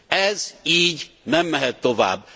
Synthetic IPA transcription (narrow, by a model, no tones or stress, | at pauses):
ɛziːɟnɛmːɛɦɛt̪ːo̞va̰ːbː